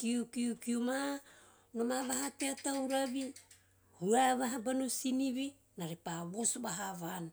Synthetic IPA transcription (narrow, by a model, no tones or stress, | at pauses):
kiukiukiuma | no̞maβaɦateatawɾaβi | huaβaɦabanosiniβi | naɾepaβosubaɦaβana